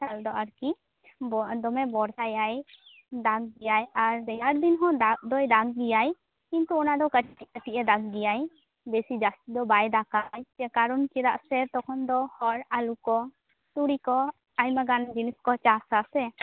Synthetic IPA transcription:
t͡ʃald̪ɔʔaɾki | bɔd̪ɔmɛbɔɽtajaj | d̪aɡ̚ɡijajaɾd̪ɛjaɾd̪inɦɔ̃d̪ad̪ɔjd̪aɡɡijaj | kint̪uɔnad̪ɔkəʈkəʈiʔɛd̪aɡ̚ɡijaj | besid͡ʒast̪id̪ɔbajd̪akajt͡ʃɛkaɾɔnkid̪aʔsɛɾt̪ɔkʰɔnd̪ɔhɔɾalukɔ | t̪uɽikɔ | ajmaɡand͡ʒiniskɔt͡ʃasasɛ

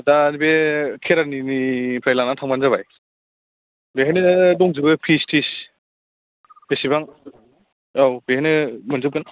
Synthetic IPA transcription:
danibekʰeɾaninipʰɾajlanatʰaŋmanzaβaj | beɦanɯdɔŋzɯbɯpʰistʰis | esibaŋ | awbehanɯmɯnzɯp̚kɯn

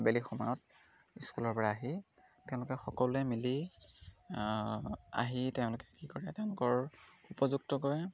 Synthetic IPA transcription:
belixɔmɔjɔt | iskulɔɹpɔɹaːɦi | tɛʊ̃lʊkɛxɔkɔlʊɛmili | a̰ɦitɛʊ̃lʊkɛkikɔɹɛtɛʊ̃lʊkɔɹupɔzuktɔkɔjɛ

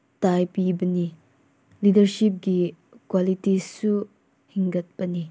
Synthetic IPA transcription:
tajpibɐni | lidɐɾʃip̚ɡi | kwalitisu | hiŋɡɐt̚b̥ɐni

